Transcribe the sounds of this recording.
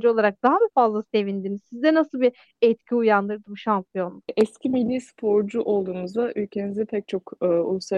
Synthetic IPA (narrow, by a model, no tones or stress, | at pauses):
d͡ʒuo̞lˠaɾak̚d̪aɦabifazlˠase̞vind̪inizsizd̪ɛnasɯlˠbi | ɛt̪cʲʰiujand̪ɯɾd̪ɯmʃampʰijo̞nuɛscʰimilʲːiːspʰo̞ɾd͡ʒuʔo̞lˠd̪uːnuzd̪aʔylʲcʰe̞nizɛpʰɛc̚t͡ʃʰo̞kɯṵlˠusa